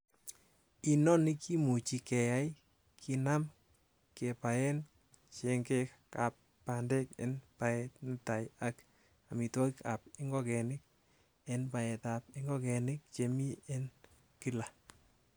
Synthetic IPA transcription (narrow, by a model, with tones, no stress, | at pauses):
i˦nɔ˦ni˦kʰi˦mu˨t͡ʃi˧kɛ˨ja˦j | kʰi˦na˦m | ke˨pa˨jɛ˦n | t͡ʃe˧ŋke˦ | ka˨pːa˨nde˦kḛ˨npa˨ɛtnɪ˦ta˨ja˦k | a˨mi˨to˦i˦kʰa˨p̚ɪ˦ŋɡɔ˦kɛ˨nɪ˦k̚ | e˦npa˨ɛ˨ta˨p̚ɪ˦ŋɡɔ˦kɛ˨nɪ˦k̚t͡ʃe˨mi˦e˦n | ki˦la˨